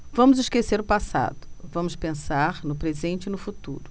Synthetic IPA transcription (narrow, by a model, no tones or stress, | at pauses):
vɐ̃mʊzɪʃkeseɾʊpasa̰d̪ʊ̥vɐ̃mʊspẽsaɾnʊpɾezẽnt͡ʃɪnʊfut̪ṵɾʊ